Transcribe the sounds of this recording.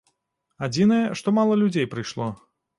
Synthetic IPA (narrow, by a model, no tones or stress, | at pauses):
ad͡zʲinɐjɛʂt̪ɔmalˠɐlʲud͡zʲejpɾɨjʂlˠɔ